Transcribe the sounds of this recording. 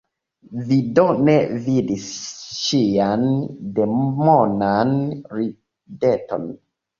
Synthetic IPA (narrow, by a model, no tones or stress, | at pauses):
vidonevidisʃiande̞mmonanɾi | deto̰n